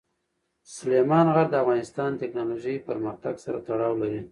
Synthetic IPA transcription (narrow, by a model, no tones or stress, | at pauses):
sʊlemɑnɣaɾd̪əafɣɑnɪst̪ɑnt̪ɪknɑloʒəjpəɾməxt̪aɡsaɾat̪aɽɑwlaɾi